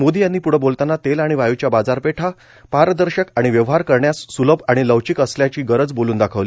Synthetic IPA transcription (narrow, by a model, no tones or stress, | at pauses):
mod̪iːjanːiːpuɽ̤əbolt̪anːat̪elaɽ̃iʋajut͡ɕjabad͡zaɾpeʈʰa | paɾd̪əɾɕəkaɽ̃iʋjəʋɦaɾkəɾɳjasːuləbaɽ̃iləʋt͡ɕikəsljat͡ɕiːɡəɾəd͡zboluːnd̪akʰəʋli